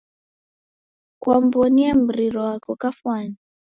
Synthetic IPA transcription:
kuambɔniam̩ɾiɾɔwakɔkafwani

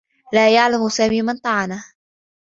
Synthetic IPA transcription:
laːjaʕlamsaːmiːmant̪ˤɑʕɑna

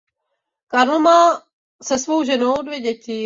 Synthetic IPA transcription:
kaɾl̩maː | sɛsvowʒɛnowdvjɛɟɛcɪ

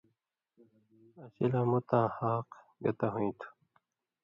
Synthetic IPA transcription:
ɐɕilamut̪ãːhaːq | ɡɐ̰t̪aɦũĩt̪ʰu̥

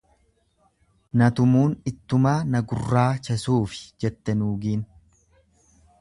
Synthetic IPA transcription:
nɐt̪ʊmuːnɪt̪ːʊmaːnɐɡʊ̰rːaːt͡ʃɐsuːfɪ̥d͡ʒɛt̪ːɛnuːɡiːn

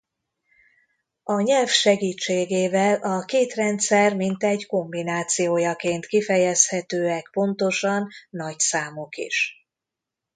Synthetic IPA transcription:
ɒɲɛlfʃɛɡiːt͡ʃːeːɡeːvɛlɒkeːt̪rɛnt̪sɛrmint̪ɛɟko̞mbinaːt̪sijoːjɒkeːnt̪kifɛjɛshɛt̪øːɛkpo̞n̪t̪o̞ʃɒnːɒcsaːmokḭʃ

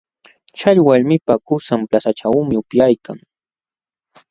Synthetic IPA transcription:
t͡ʃaʎwaʎmɪpakʊsamplasaʈ͡ʂawmɪʊpjajkaŋ

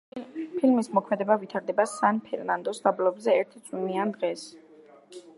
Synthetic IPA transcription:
pʰilmismɔkʰmɛd̪ɛbavit̪ʰaɾd̪ɛbasanpʰɛɾnand̪ɔsd̪ablɔbzɛɛɾt̪ʰt̪sʼiniand̪ʁɛs

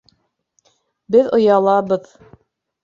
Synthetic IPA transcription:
bɘðŏjɑlˠɑbɤð

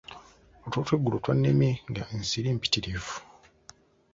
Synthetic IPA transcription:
otwotweɡːulotwanːemiŋɡaensiɾiːmpi̥tiɾefu̥

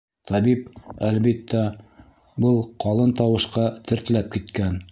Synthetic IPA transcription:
t̪ʰɑbip̚ælβit̪ːæ | bɤlˠqɑlˠɤnt̪ɑwɤ̆ʃqɑt̪ʰɘ̆ɾt̪̆læp̚kit̪kæn

